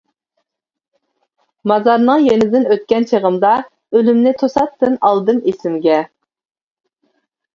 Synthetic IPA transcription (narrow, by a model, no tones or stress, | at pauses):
mɑzɑɾnɨŋjenɪd̪ɪnøt̪̚kʲɛnt͡ʃʰeʁəmd̪ɑ | ølymnɪt̪ʰosɑt̪ːɨnɑlˠd̪ɨnesɪmɡʲɛ